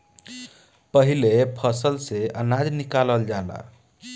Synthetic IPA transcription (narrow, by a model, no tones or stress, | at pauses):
pəɦilepʰəsəlseənad͡ʒnikaləld͡ʒala̰